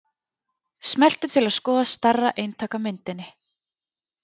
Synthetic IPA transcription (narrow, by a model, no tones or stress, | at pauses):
smɛl̥t̪ʏ̥t̪ʰɪlaðskɔːðast̪arːaʔeːjnt̪ʰaːkamɪnt̪ɪnːɪ